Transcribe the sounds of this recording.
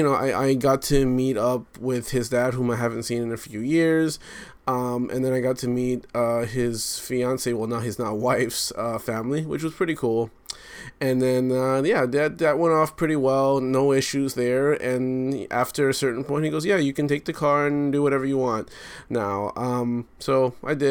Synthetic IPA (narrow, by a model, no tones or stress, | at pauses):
jɨñoʊʔa̰ɪʔa̰ɪɡɑtʰɨmiɾʌp̚wɪð̥ɪzdæd̚ɦũmaɪɦævɨ̃n̩tsĩnɨ̃nɨfjʉjɪɹz | ʌ̃mʔɨ̰̃nðɨ̃ñaɪɡɑtʰɨmit̚ʌɪz̥fiɑ̃nsiwɛlˠnaʊɨznət̚waɪfsʌfæ̃mliwɨ̰t͡ʃwʌz̥pʰɹ̥ɪɾikʰulˠ | ɨ̃nðɨ̃nʌjæðɨtðɨt̚wɛ̃ntɔfpʰɹ̥ɪɾiwɛlˠnoʊɪʃʉzðə˞ɨ̃nʔæ̰ftə˞ɨsɜ˞ʔn̩pʰɔ̃ɪ̃n̚hiɡoʊzjæjɨkɨ̃ntʰeɪk̚ðɨkʰɑɹɨ̃ndɨwʌɾɛvə˞jɨwɑ̃ntnaʊʌ̃msoʊʔa̰ɪdɪ